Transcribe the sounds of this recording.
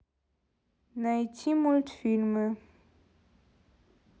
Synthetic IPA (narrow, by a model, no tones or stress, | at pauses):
najtʰimultfilmə